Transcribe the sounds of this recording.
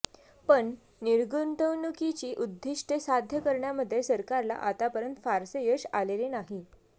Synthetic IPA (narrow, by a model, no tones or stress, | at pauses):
pəɳ | niɾɡunt̪əwnukit͡ɕiːʔud̪ʱːiʂʈesad̪ʱjəkəɾɳjaməd̪ʱːjesəɾkaɾla̰ʔat̪apəɾənt̪faɾsejəɕalelenaɦi